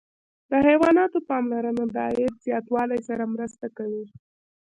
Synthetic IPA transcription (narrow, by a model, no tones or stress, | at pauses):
d̪əhajwɑnɑt̪opɑmlaɾənad̪ɑeɾz̥jɑt̪wɑlajsaɾamɾəst̪akawi